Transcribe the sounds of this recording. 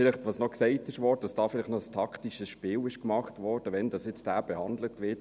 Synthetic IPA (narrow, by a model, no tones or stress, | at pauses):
fɪlɪχtʋɑːsnɔksɛɪtɪʃʋɔːɾdəd̥ɑsd̥ɑːfɪlɪχtnɔəstʰɑktiʃəsʃpɪːlɪʃkmɑχtʋɔːɾd̥əʋɛndɑsjɛt͡sd̥æːb̥ɛhɑndlətʋɪt